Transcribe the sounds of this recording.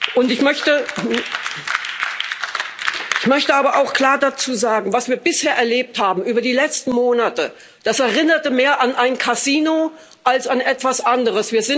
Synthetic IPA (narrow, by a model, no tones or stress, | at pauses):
ʔʊntɪçmœçtə | ʔɪçmœçtəaːbɐʔaʊxkl̥aːɐdat͡suːzaːɡŋ̩vasv̥iːɐbɪsheːɐʔɛɐleːp̚thaːbm̩ʔyːbɐdiːlɛt͡stn̩moːnatə | d̥asɛɐʁɪnɐtəmeːɐʔanʔaɪnkʰaziːno | ʔalsanʔɛtv̥asʔandəʁəsv̥iːɐzɪn